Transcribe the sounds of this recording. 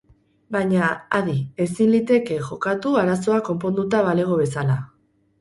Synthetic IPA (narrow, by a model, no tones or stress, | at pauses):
bajɲaaðie̞sinlit̪e̞ke̞ʝo̞kat̪uaɾaso̞ako̞mpo̞nd̪ut̪aβale̞ɣ̞o̞βe̞sala